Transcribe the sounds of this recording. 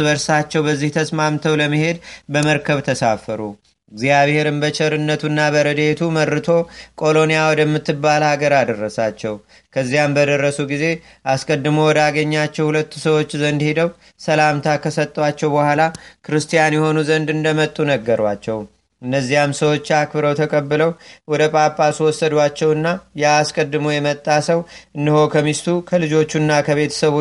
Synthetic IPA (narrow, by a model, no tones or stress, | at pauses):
bəɾsat͡ʃːɛwbəzːiht̪ʰəsmamt̪ʰəwləmːɨhe̞d̪bəməɾkʰəβt̪ʰəsafəɾu | ɪɡzjaβhe̞ɾɨmbət͡ʃʰʼɛɾɨnːət̪ʰunːabəɾəd̪et̪ʰumərːɨt̪ʰo̞kʼo̞lo̞nijawɔd̪əmːɨt̪ːɨbːalhaɡəɾad̪ərːəsat͡ʃːɛw | kʰəzːijambəd̪ərːəsuɡize̞ | ʔaskʼəd̪ːɨmuwɔd̪aɡəɲːat͡ʃːɛwhulət̪ːu̥səwo̞t͡ʃːzənd̪he̞d̪əw | səlamt̪ʰakʰəsət̪ʼːwat͡ʃːɛwbəhʷalakʰɨɾɨst̪ijanjɛho̞nuzənd̪ɨnd̪əmət̪ʼːunəɡːəɾwat͡ʃːɛw | ɨnːəzːijamsəwo̞t͡ʃːakbɨɾəwt̪ʰəkʼəbːɨləwwɔd̪əpʼapʼaswɔsːəd̪wat͡ʃːɛwɨnːajaːskʼəd̪ːɨmojɛmət̪ʼːasəwʔɨnːɨho̞kʰəmist̪ʰukʰəlɨd͡ʒo̞t͡ʃːunːakʰəβe̞t̪ʰə̥səβo